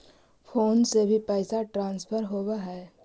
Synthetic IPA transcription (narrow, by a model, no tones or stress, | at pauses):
fʰoːnsebʱipəːsaʈɾãːnspʰəɾɦoːwaɦɛː